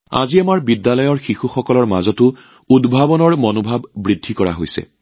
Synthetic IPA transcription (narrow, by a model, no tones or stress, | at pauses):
a̰ziamaɹbidːalɔjɔɹxixuxɔkɔlɔɹmazɔtʊ | udbʱabɔnɔɹmɔnobʱabːɹidʱːikɔɹa̰ɦojsɛ̰